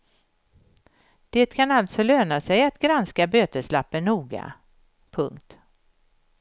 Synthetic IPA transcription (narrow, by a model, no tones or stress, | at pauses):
d̪̥eːt̪kʰanalt̪sɔløːnasɛjat̪ɡɾanskabøːt̪əʂlapːənːuːɡa̰ | pʰɵŋkt̪